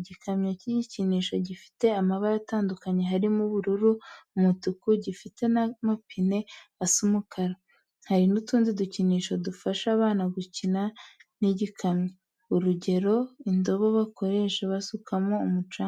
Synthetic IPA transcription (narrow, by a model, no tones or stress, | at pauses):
iɟikʰamɲociɟiciniːʃo̞ɟifi̥te̞amaβaɾataːndukaɲe̞ɦaɾimuβuɾuɾumutukuɟifite̞namapʰine̞asumukʰaɾa | haɾinutuːnziduciniːʃo̞dufaʃaβaːnaɡucinaniɟikʰamɲo | uɾuɟe̞ɾo̞indo̞βo̞βako̞ɾe̞ʃeβasukʰamo̞umut͡ʃaː